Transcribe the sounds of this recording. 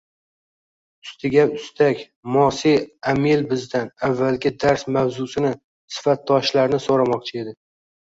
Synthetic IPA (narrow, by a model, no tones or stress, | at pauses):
ʊst̪ʰɪɡʲaʊst̪ʰakʲ | mɒsiamilbɪzd̪anavːalɡʲɪd̪aɾsmawzʊsɪnɪ | sɪ̥fat̪̚ːɒʃlaɾnɪsoɾamɒq̚t͡ʃʰɪe̞d̪ɪ